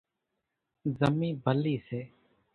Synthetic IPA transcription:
zəmĩːbʱəlːiːseː

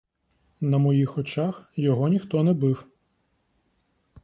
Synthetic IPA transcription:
nɐmɔjixɔt͡ʃaxjɔɦɔnʲixt̪ɔnɛbɪw

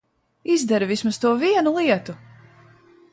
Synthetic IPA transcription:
izd̪ɛɾvismast̪uɔviɛnulˠiɛt̪u

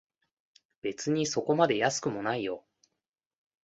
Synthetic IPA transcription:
b̥e̞t͡sɨɲ̟iso̞ko̞mad̪e̞jasɨ̥kɯ̟mo̞naijo̞

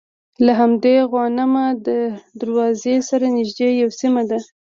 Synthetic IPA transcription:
laɦamd̪eɣwɑnamad̪əd̪aɾwɑzesaɾanɪʒd̪ejawsimad̪a

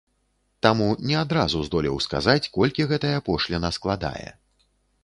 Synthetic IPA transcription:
t̪amunʲɛad̪ɾazuzd̪ɔlʲɛ̰wska̰zat͡sʲkɔlʲkʲiɣɛt̪ɐjɐpɔʂlʲɛnɐsklˠad̪a̰jɛ̰

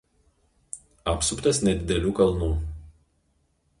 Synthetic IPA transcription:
ɐpsʊpt̪ɐsnʲɛd̪ʲɪd̪ʲɛlʲuːkɐlˠnuː

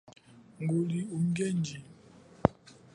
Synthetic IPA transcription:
ŋɡolium̩ɡɛnd͡ʒi

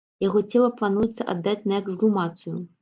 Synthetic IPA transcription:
jaɣɔt͡sʲɛlˠɐplˠanujɛt̪sːɐʔa̰d̪ːat͡sʲnɐɛɡzɡumat̪sɨju

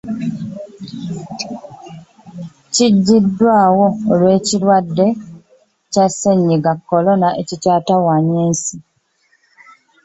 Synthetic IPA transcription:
ciɟːidːwaːwo̞ːlwe̞ːcilwadːe̞ | casːeɲːiɡakːolo̞naʔecicaːtawaɲeːnsi

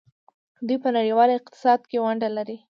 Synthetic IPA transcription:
d̪ujpənaɽiwɑlɪq̚t̪ɪ̥sɑd̪kewaɳɖalaɾi

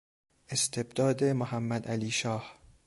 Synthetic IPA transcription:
ʔest̪ʰe̞bd̪ɒːd̪emoɦæmːæd̪æliːʃɒːh

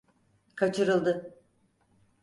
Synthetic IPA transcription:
kʰat͡ʃʰɯɾɯlˠd̪ɯ

